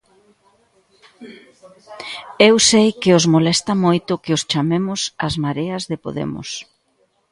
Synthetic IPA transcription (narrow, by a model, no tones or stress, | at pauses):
ewsejkɪozmolɛst̪ɐmojt̪ʊkɪost͡ʃamemʊsazmaɾeɐzðɪpo̰ðɛ̰mʊ̰s